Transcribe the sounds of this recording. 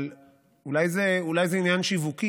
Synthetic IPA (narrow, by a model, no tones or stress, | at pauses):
l | ulajzeulajzeinjanʃivuki